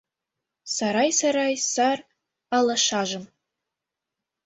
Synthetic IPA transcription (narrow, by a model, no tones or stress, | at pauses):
saɾɑjsaɾɑjsar | alɐʃaːʒɨm